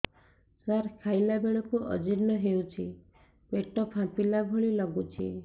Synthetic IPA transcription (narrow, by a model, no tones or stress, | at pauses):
saɾkʰajlabeɭɔkuʔɔ̰d͡ʒiɾnɔɦewt͡ʃʰi | peʈɔpãpilabʱoɭilɔɡut͡ʃʰḭ